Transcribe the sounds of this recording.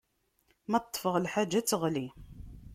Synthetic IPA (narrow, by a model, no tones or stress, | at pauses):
mæt̪t̪ˤːfəʁəlħad͡ʒːæt͡səʁli